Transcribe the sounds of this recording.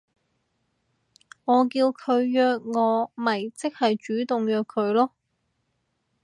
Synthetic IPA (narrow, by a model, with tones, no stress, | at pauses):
ŋɔː˨˧k̬iː˧wkʰɵ˨˧ɥjœː˧k̚ŋɔː˨˧mɐ˨˩jt͡sɪ˥k̚hɐ˨jt͡ʃyː˨˥t̪ʊ˨ŋjœː˨˧kʰːɵ˨˧ɥlɔː˥